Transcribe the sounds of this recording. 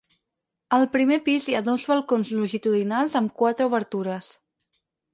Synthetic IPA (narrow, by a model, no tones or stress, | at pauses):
əlˠpɾimepiziaðozβəlˠkonzluʒit̪uðinalˠzəmkwat̪ɾəuβəɾt̪uɾəs